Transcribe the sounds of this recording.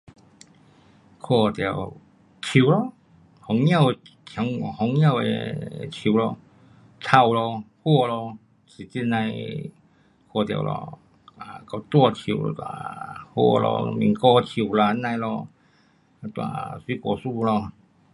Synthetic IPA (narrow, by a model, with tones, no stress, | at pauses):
kʰɔ˧˩t̪ja˨˩w | t͡ɕʰu˨˩˦lɔ˧ | hɔ˨˦ŋj̃ã˥˧˨wt̪ʰja˨˧˦ŋ˧hɔ˧˦ŋːj̃ã˥˧˨wḛ˧t͡ɕʰi˨wlɔ˧ | t͡sʰa˧˩wlɔ˧hwɔ˥˧lɔ˧ | t͡sʰi˨t͡ɕi˧nã˧j | kʰɔ˧t̪ja̰˨˩wlɔ̰˧ | a˨˧˨ka˧˩t̪wɔ˧t͡ɕʰḭ˨˩˨wɔ̰˧t̪wa̰˨hwɔ̰˥˧lɔ̰˧mḭ˨ŋkɔ˧t͡ɕʰi˨˩˨wla˧˨˧nã˧jlɔ˧ | t̪wa̰˨swi˦kɔ˨˧˩su˥˧lɔ˧